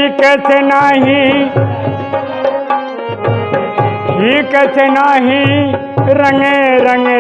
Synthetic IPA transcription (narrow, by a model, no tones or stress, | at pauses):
keːt̪ʰenaːɦĩ | ɦĩkeːt̪ʰenaːɦĩ | ɾɐŋeɾɐŋe